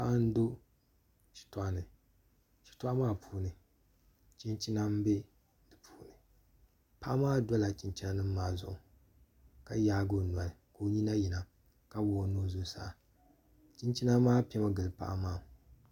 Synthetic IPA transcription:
pa˦n˦do˦ | t͡ʃi̥˨ta˦˨ʔa˨nɨ˨ | ʃi̥˨ta˦a˦maː˦˨pʰuː˦nɨ˨ | t͡ʃi˦nt͡ʃi˦na˦m˦be˦ | dɨ˨pʰu̥ː˦nɨ˨ | pa˦ʔa˦maː˦da˦la˨t͡ʃi˨nt͡ʃi˦na˦nɨ˦mː˦aː˦˨zʊ̰˨ʔʊ˨ | ka˦jaː˦ɡo˦˨n˨a˨lɨ˨ko˨˦ɲi˦na˦ji˨na˨ | ka˦bo˨no˦zo˦sa̰ː˦˨ | t͡ʃi˦nt͡ʃi˦na˦maː˦pɛ˦ma˦ɡɨ˨lɨ˨pa̰˦ʔa˦maː˦˨

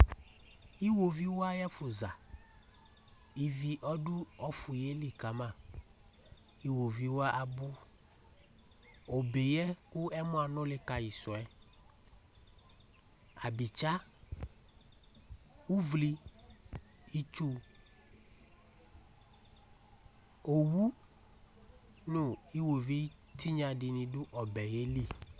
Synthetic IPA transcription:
i˦wo˨vi˦wo˦a˦jɛ˦fʊ˨za˨ | i˨vi˦ʔɔ˦dʊ˦ɔ˦fu˨je˦li˨ka˨mã˦˨ | i˦wo˨vi˦wo˦a˦ʔa˨bʊ˦ | o˨be˨jɛ˦ku˦ɛ˦mʊ̃˦a˨nʊ̃˦lɪ˦ka˨ji˨sɔ˨ɛ˦ | a̰˨bi˨t͡ʃa˦ | wu˦vli˦ | i˦t͡ʃu˦ | o˨wu˦ | nʊ̃˦i˦wo˨vi˦ti˦ɲã˨dɪ˨nɪ̃˨dʊ˦ʔɔ˨bɛ˨je˦li˦˨

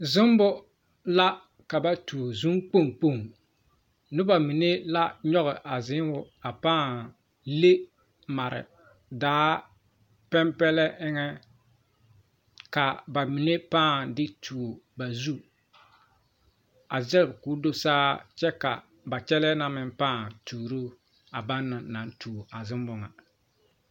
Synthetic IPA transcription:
zʊ˦m˦bʊ˦ | la˦ | ka˨ba˨tu˨o˨zu˦ŋk͡po˦˨ŋk͡po˦˨ŋ | nʊ˦ba˨mi˨ne˦la˦ɲɔ˦ɣɪ˨ʔa˨zɪ˦ŋwʊ˦ | a˨paː˦˨ | le˦ | ma˨ɾɪ̰˨ | daː˦ | pɛ˦mpɛ˦lɛ˦ʔɪ˦ŋɛ˦ | ka˨ba˨mi˨ne˦paː˦˨dɪ˦tʰuː˨o˨ba˨zu˦ | a˨zɛ˦bku˨˦do˦saː˦t͡ʃɛ˦ka̰˨ | ba˨t͡ʃɛ˦lɛ˦na˦mɪ˨mpaː˦˨tʰuː˨ɾo˦ | a˨ba˦nːa˨na˨ntʰuː˨ʔa˨zɪ˦mbʊ˨˦ŋa̰˨

